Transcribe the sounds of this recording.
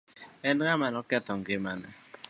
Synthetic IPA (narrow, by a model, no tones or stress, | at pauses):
ɛnkamanɔkɛt̪ɔŋɡɪmanɛ̰